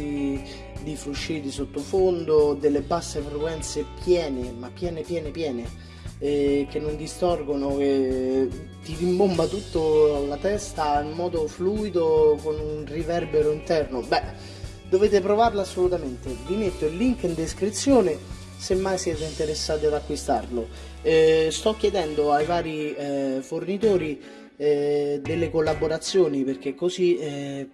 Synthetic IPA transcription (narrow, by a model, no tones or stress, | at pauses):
i | d̪ifɾuʃːiːd̪isot̪ːofond̪od̪elːebasːefɾekwɛnt̪sepjɛːnemapːjɛːnepjɛːnepjɛːne | k̟enːond̪ist̪ɔrɡonoke | t̪idimbombat̪ut̪ːolat̪ɛst̪aimːɔːd̪ofluːid̪okonunrivɛrbeɾoint̪ɛrnobɛ | d̪oveːt̪̬epɾovarlasːolut̪ament̪ed̪imet̪ːoilːiŋkind̪eskɾit̪sːjoːne | semːajsiɛːt̪̬eint̪eɾesːaːt̪iad̪akːwist̪a̰rlo | st̪ɔkːjed̪ɛnd̪oajvaːɾifornit̪oːɾi | d̪elːekolːaboɾat̪sːjoːniperk̟ekːozi